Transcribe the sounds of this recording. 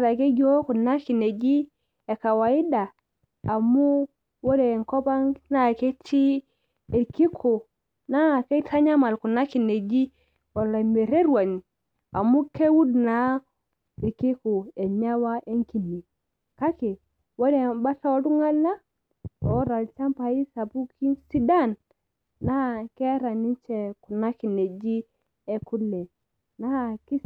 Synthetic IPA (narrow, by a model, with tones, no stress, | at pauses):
ɾa˨ke˦ɡo˦ku˨na˦ki˨ne˨ɡi˦ | e˨ka˨wa˨i˦daː˨ | mu˦ | wo˦ɾe˨ŋko˦ba˦ŋna˦˨ke˦ti˦ | e˨ɾki˦kʰo˨ | na˦˨ke˦ta˦ɲa˦ma˨lku˨na˦ki˨ne˨d͡ʒi˦ | wa˨la˨me˨ɾe˦ɾwa˨ni˨ | a̰˨mu˦ke˦wu˦dna˨ | i˨ki˦ku˨ɛ˨ɲa˦wa˦ʔɛ˦ŋki˨ni˨ | ka˦ke˨ | wa˦nɛ˨ba˦ɬa˦o˦ɾu˦ŋa˦lna˦ | ɔ˦ɾa˨lt͡ʃa˦mpa˨i˦sa˨pu˦kʰi˦nsi˦da˦˨nː | a˦˨kɛ˦ɾa˨ni˦nt͡ʃɛ˨ku˨na˦ki˨ne˨d͡ʒi˦ | ɛ˦ku˦lɛ˨ | na˦ki˦